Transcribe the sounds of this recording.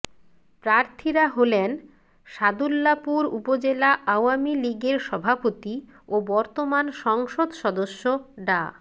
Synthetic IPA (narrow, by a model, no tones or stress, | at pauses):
pɾaɾt̪ʰiɾaɦolen | ʃad̪ulːapuɾupod͡ʑelaʔawamiliɡeɾʃɔbʱapot̪i | obɔɾt̪omanʃɔŋʃod̪ʃɔd̪oʃːoɖa̰